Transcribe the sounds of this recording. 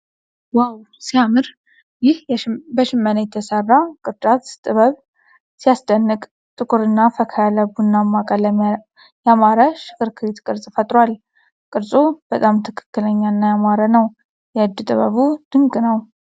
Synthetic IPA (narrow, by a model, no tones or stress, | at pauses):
waw | siamɨɾ | jɪhbəʃɪmːənəjɛt̪ʰəsərːakʼɨɾd̪at̪t̪ʼɨβəβ | sijasd̪ənːɨkʼ | t̪ʼɨkʼuɾɨnːafəkʰəjaləbunːamːakʼaləm | jamaɾəʃɪ̥kɨɾkʰɨɾit̪kʼɨɾsʼfət̪ʼɾwal | kʼɨɾsʼub̥ət̪ʼamt̪ʰɨkʰɨ̥kːɨləɲːanːajamaɾənəw | jɛɨd̪ːɨt̪ʼɨβə̰βud̪̥ɨŋkʼɨnəw